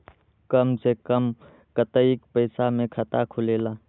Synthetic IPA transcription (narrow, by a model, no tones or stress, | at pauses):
kəmsekəm | kət̪əikpəɪsamẽkʰət̪akʰʊleːlaː